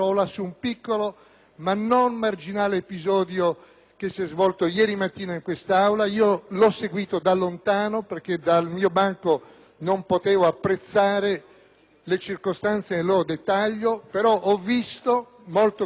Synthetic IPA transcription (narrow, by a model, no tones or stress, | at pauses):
ɔlasuːmpikːolo | manːonmard͡ʒinaːleːpizɔːd̪jo | kesːiɛzvɔlt̪ojɛːɾimat̪ːiːnaiŋkwest̪aawlaiːolɔsːeɡwiːt̪od̪alːont̪aːnoperk̟ed̪almiːobaŋko | nompot̪eːvoapːɾet̪sːaːɾe | let͡ʃirkost̪ant̪senelːɔːɾod̪et̪ːaʎːopeɾɔʔɔvːist̪o | molt̪o